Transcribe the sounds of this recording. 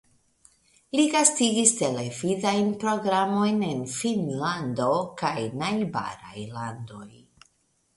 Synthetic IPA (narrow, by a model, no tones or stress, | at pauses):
liɡastiɡiste̞le̞vidajnpɾo̞ɡɾamo̞jne̞nfinlando̞kajnajba̰ɾa̰jlando̞j